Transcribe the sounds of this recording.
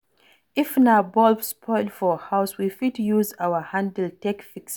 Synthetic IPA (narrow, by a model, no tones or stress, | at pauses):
ifnaʊbɔlpspʰɔɪlfɔhaʊswifitjuzaʊəhãndl̩tɛkfiks